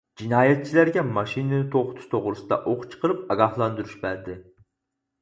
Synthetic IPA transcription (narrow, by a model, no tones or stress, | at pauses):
d͡ʒinɑːjɛt̪̚t͡ʃʰilæɾɡʲɛmɑʃinɨnɪt̪ʰoχʊt̪ʰu̥ʃt̪ʰoʁɾɨsɨd̪ɑ̰ʔoqt͡ʃʰə̥qʰəɾɨp̚ɑɡɑhlˠɑnd̪uɾuʃbæɾd̪ɪ